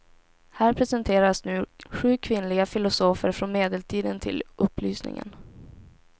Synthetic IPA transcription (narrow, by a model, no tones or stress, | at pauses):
hæːɾpʰɾɛsɛnt̪ʰeːɾasnʉ̟ːɧʉ̟ːkʰvɪnlɪɡafɪlʊsoːfəɾfɾɔnmeːd̪əlt̪ʰiːd̪ənt̪ʰɪ̰lɵpːlyːsnɪ̰ŋə̰n